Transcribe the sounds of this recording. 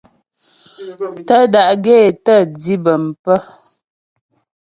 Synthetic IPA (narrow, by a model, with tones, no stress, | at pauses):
tə˦da˨ʔɡeː˦˨tə˦˨d͡zi˦bə˨m̩˨pə˦